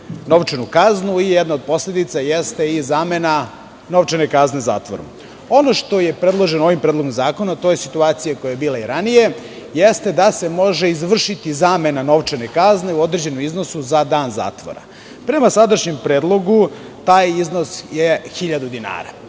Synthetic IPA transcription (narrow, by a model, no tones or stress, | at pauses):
no̞ʋt͡ʂenukaznuijɛd̪nao̞d̪̚po̞sled̪it̪sajest̪e̞izaːme̞na | no̞ʋt͡ʃene̞kazne̞za̰ːt̪ʋoɾṵ | o̞noʃt̪o̞je̞pɾed̪lˠo̞ʒenooʋimpɾed̪lˠo̞ɡomzaːko̞nat̪oːjesit̪uaːt̪sijako̞jajebiːlˠaiɾanije̞ | jest̪e̞d̪ase̞mo̞ʒe̞izʋr̩ʃit̪izaːme̞nano̞ʋt͡ʂenekazne̞uo̞d̪ɾed͡ʑe̞nomizno̞suzad̪aːnza̰ːt̪ʋo̰ɾa̰ | pɾe̞masad̪aʃɲe̞mpɾe̞ːd̪lˠo̞ɡu | t̪aːjizno̞sjexiʎad̪ud̪ina̰ːɾa̰